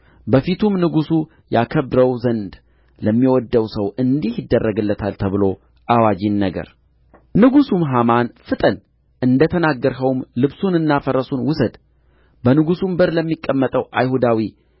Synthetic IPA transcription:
bəfit̪ʰumnɨɡusu | jakʰəβɾəwzənd̪ | ləmːiwɔd̪ːəwsəwɨnd̪ihjɪd̪ːərːəɡɨlːət̪ʰalt̪ʰəβɨlo̞ | ʔawad͡ʒinːəɡə̰ɾ | nɨɡusumɦamanfɨt̪ʼən | ʔɨnd̪ət̪ʰənaɡːəɾɦəwmlɨβsunɨnːafəɾəsunwʊsəd̪ | bənɨɡusumbəɾləmːikʼːəmːət̪ʼəwʔajhud̪awi

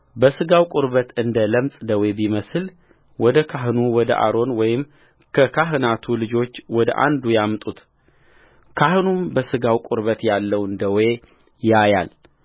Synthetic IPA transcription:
bəsɨɡawkʼʊɾbət̪ɨnd̪ələmsʼd̪əwebiməsɨl | wɔd̪əkʰaɦɨnuwɔd̪ə̰ʔa̰ɾo̞nwɔjɪm | kʰəkʰaɦɨnat̪ʰulɨd͡ʒo̞t͡ʃːwɔd̪ə̰ʔa̰nd̪ujamt̪ʼut̪ | kʰahɨnumbəsɨɡawkʼʊɾβət̪jalːəwɨnd̪əwe̞ | jaja̰l

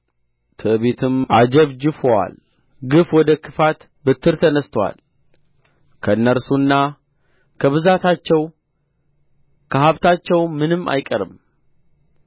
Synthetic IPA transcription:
t̪ʰɨʔβet̪ʰɨmʔad͡ʒəβd͡ʒɪfwa̰l | ɡɨfwɔd̪əkʰɨfat̪ | bɨt̪ʰːɨɾt̪ʰənəst̪ʰəwa̰l | kʰəɨnːəɾsunːa | kʰəβɨzat̪ʰat͡ʃːɛw | kʰəɦaβt̪ʰat͡ʃːɛwmɨnɨmːa̰jkʼəɾɨ̰m

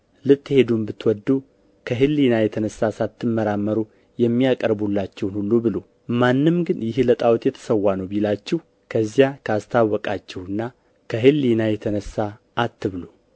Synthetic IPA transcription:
lɨt̪ʼːhe̞d̪umbɨt̪ːwɔd̪ːu | kʰəɦɨlːinajɛt̪ʰənəsːasat̪ʰːɨmːəɾamːəɾu | jɛmːijakʼəɾbulːat͡ʃːɛwnhulːubɨlo | manːɨmɡɨnjɪhlət̪ʼawt̪jɛt̪ʰə̥səwːanəwbilat͡ʃːɛh | kʰəzːijakʰəast̪ʰawːɔkʼat͡ʃːɛwɨnːa | kʰəɦɨlːinajɛt̪ʰənəsːaː | t̪ːɨβlu

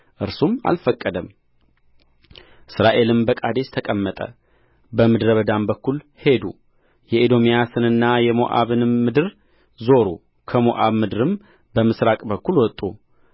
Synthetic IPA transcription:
ʔɨɾsuma̰lfəkʼːəd̪əm | ʔɨsɾaʔe̞lɨmbəkʼad̪e̞st̪ʰəkʼəmːət̪ʼə̰ | bəmɨd̪ɾəβəd̪ambəkːul | he̞d̪u | jɛʔed̪o̞mijasɨnɨnːajɛmo̰ʔa̰βɨnmɨd̪ɨɾ | zo̞ɾu | kʰəmo̰ʔaβmɨd̪ɨɾɨm | bəmɨsɾakʼbəkːulwɔt̪ʼːu

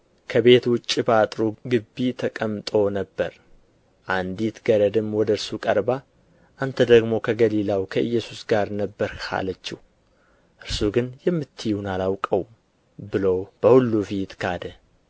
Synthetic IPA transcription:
kʰəbe̞t̪wʊt͡ʃʼːibat̪ʼɾuɡɨbːit̪ʰəkʼəmt̪ʼo̞nəbːə̰ɾ | ʔand̪it̪ɡ̥əɾəd̪ɨmːwɔd̪əɨɾsukʼəɾba | ʔant̪ʰəd̪əɡmo̞kʰəɡəlilawkʰəʔɨjːɛsusɡaɾnəbːəɾkʰa̰lət͡ʃːɪw | ʔɨɾsuɡɨnjɛmːɨt̪ʰːɨjunalawkʼəw | bɨlowb̥əhulːufit̪kʰad̪ə

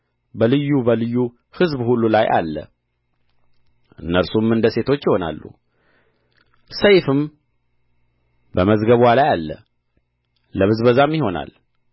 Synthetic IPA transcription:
bəlɨjːubəlɨjːu | hɨzbhulːulajʔa̰lːə̰ | ʔɨnːəɾsumɨnd̪əse̞t̪ʰo̞t͡ʃːjɪho̞na̰lːṵ | səjfɨm | bəməzɡəβalajalːə̰ | ləβɨzbəzamjɪho̞na̰l

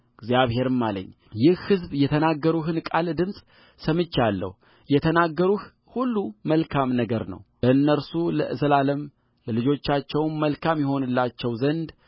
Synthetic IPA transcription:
ɡzjaβhe̞ɾɨmːalə̰ɲː | jɪhhɨzbjɛt̪ʰənaɡːəɾuɦɨnkʼald̪ɨmsʼ | səmɨt͡ʃːalːə̰h | jɛt̪ʰənaɡːəɾuh | hulːuməlkʰamnəɡəɾnə̰wbəɨnːəɾsulə̰ʔɨzəlaləm | ləlɨd͡ʒo̞t͡ʃːat͡ʃːɛwmːəlkʰamjɛho̞nɨlːat͡ʃːɛwzənd̪

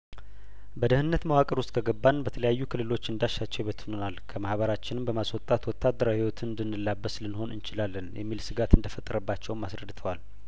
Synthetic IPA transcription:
bəd̪əhɨnnːət̪məwakʼəɾuʊst̪̚ʼkʰəɡəbːanbət̪ʰələjajːukʰɨlːɨlo̞t͡ʃːɨnd̪aʃːat͡ʃːɛwbət̪ʰnonalkʰəmahbəɾat͡ʃːɪnɨmbəmaswɔt̪ʼat̪wɔt̪ʰːad̪ːəɾawhiwɔt̪ʰɨɨnd̪ɨnːɨlːabːəslɨnho̞nɨnt͡ʃɪlalːənjʔɛ̰mːilsɨɡat̪ɨnd̪əfət̪ʼːəɾəbːat͡ʃːɛwmasɾəd̪ɨt̪ʰəwal

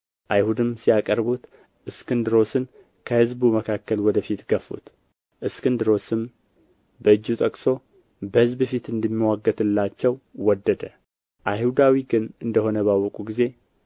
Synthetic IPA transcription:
ʔajhud̪ɨmsijakʼəɾbut̪ | ʔɨskɨnd̪ɨɾo̞sɨn | kʰəhɨzbuməkʰakːəlwɔd̪əfit̪ɡəfṵt̪ | ʔɨskɨnd̪ɨɾo̞sɨm | bəɨd͡ʒːut̪ʼəkʼso̞ | bəhɨzbɨfit̪ɨnd̪əmːiwaɡːət̪ɨlːat͡ʃːɛwwɔd̪ːəd̪ə | ʔajhud̪awiɡɨnɨnd̪əho̞nəβawːɔkʼuɡize̞

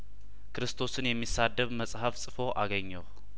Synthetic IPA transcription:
kʰɨɾɨst̪ʰo̞sɨnjɛmːisad̪ːəβməsʼhafsʼɨfo̞ʔaɡəɲːəw

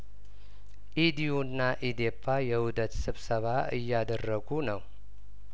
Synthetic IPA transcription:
ʔid̪iunːaʔid̪epʰːajɛhud̪ət̪sɨβsəβaɨjːad̪ərːəɡunəw

